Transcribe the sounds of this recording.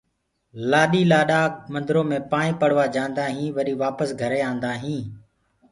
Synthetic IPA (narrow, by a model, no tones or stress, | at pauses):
laːɗiːlaːɗaːmənd̪ɾõːmẽːpaːɳĩːpəɽʋaːd͡ʒãːnd̪aːɦĩːʋəɗiːʋaːpəsɡʱəɾeːãːnd̪aːɦĩː